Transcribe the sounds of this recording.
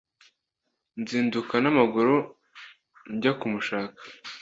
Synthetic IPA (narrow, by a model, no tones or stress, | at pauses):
nziːndukanamaɡuɾo | ɲɟakumuʃaːkḁ